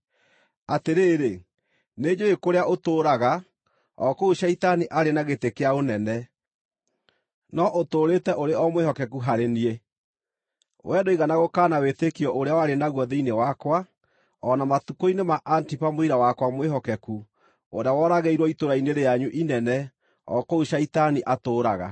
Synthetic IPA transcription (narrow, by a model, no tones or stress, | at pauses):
ateɾeːɾe | ned͡ʑoekoɾeaʔotoːɾaɣa | ɔ̰kouʃaitaniʔaɾenaɣetekeaonɛnɛ | nɔʔotoːɾetɛʔoɾeɔmwehɔkɛkuɦaɾenie | wʔɛdoiɣanaɣokaːnawetekiɔʔoɾeawaɾenaɣwɔðeinewakwa | ɔnamatukoinemaʔantipamoiɾawakwamweɦɔkɛku | oɾeawɔɾaɣeiɾwɔitoɾaineɾejaɲuʔinɛnɛ | ɔ̰kouʃaitaniʔatoːɾaɣa̰